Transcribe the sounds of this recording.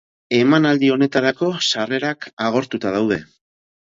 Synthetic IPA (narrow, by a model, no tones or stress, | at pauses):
e̞manald̪io̞ne̞t̪aɾako̞sare̞ɾakaɣ̞o̞ɾt̪ut̪að̞awð̞e̞̰